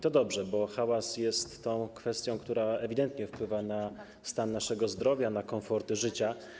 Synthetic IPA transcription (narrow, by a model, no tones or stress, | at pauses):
t̪ɔd̪ɔbʐɛbɔxawasjɛst̪ːɔ̃w̃kfɛst̪ʲjɔ̃w̃kt̪uɾaɛvʲid̪ɛnt̪ɲɛfpwɘvana | st̪anːaʂɛɡɔzd̪ɾɔvʲjanakɔ̃fɔɾt̪ɘʐɘt͡ɕa